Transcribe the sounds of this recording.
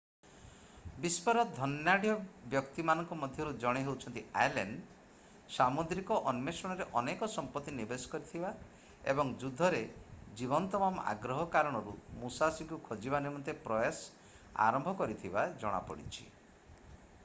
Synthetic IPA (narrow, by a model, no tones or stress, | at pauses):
bispɔɾɔd̪ʱɔnjaɽijɔbjɔkt̪imanɔŋkɔmɔd̪ʱjɔɾud͡ʒɔɽ̃eɦewt͡ʃʰɔnt̪ia̰jleɳɖ | samud̪ɾikɔʔɔnmesɔɽ̃ɔɾeʔɔnekɔsɔmpɔt̪ːinibesɔ̥kɔɾit̪ʰiba | ḛbɔŋd͡ʒud̪ʱːɔɾed͡ʒiβɔnt̪ɔmama̰ɡɾɔɦɔkaɾɔɽ̃ɔɾṵmusasiŋkukʰɔd͡ʒibanimɔnt̪epɾɔjas | a̰ɾɔmbʱɔkɔɾit̪ʰibad͡ʒɔɽ̃a̰pɔ̰ɽḭt͡ʃʰḭ